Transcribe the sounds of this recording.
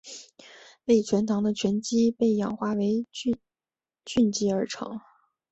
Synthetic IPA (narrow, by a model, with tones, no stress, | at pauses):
we˥˩ɪt͡ɕʰɥɛ˧˥nt̪ʰɑ˧˥ŋd̪ə˧t͡ɕʰɥɛ˧˥nt͡ɕi˥pe˥˩ɪjɑ̰˨˩ŋxwa˥˩we˧˥ɪ˥˧ | t͡ɕy˥˩nt͡ɕi˥ə˞˧˥ʈ͡ʂʰɑ̰˧˥ŋ